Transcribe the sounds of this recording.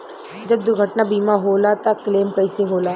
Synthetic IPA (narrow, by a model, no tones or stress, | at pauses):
d͡ʒɐb̚d̪ʊɾɡʱɐʈnabiːmaɦoːlat̪akleːmkɐɪseɦoːla